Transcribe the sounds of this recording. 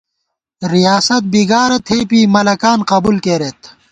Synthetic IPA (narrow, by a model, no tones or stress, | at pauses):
ɾijaːsɐt̪̚biɡaːɾɐt̪ʰeːpiːmɐlɐkaːnqɐbulkeːɾet̪